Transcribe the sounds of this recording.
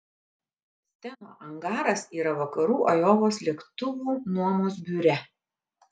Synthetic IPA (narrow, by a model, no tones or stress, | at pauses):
sʲt̪ʲɛno̰ːʔɐŋɡɑːɾɐsiːɾɐʋɐkɐɾuːʔɐjoːʋoːslʲiɛkt̪ʊʋuːnuɔmoːs̬bʲuːɾʲɛ